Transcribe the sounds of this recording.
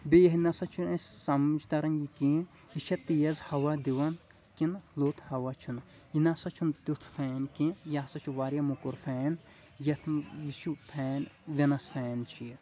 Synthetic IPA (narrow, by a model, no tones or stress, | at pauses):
bejɐɦinɐsɐt͡ʃʰunɐssɐmud͡ʒt̪ɐɾɐnjikĩ | iʃʰɐt̪ːijɐzhɐwɐd̪iwɐn | kinloːt̪ʰhɐwɐt͡ʃʰun | inɐsɐt͡ʃʰunt̪ut̪ʰfʰɛːnkĩjaːsɐt͡ʃʰuʋaːɾjɐmukuɾfʰɛːn | jɐt̪ʰjiʃupʰɛːnʋʲenɐsfɛːnt͡ʃʰi